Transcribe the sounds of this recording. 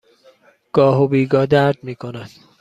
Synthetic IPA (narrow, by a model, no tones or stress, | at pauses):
ɡ̥ɒːɦobiːɡɒːd̪æɾd̪̚miːkʰonæd̪̥